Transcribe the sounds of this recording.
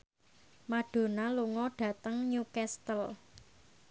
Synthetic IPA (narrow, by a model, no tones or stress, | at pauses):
maɖ̥o̤naluŋɔɖ̥ä̤t̪əŋɲukɛst̪əl